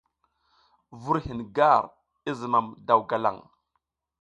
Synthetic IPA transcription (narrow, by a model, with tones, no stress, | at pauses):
vu˦ɾhi˨nɡa˦˨ɾ | i˦zi˨ma˨mda˨wɡa˨la̰˨ŋ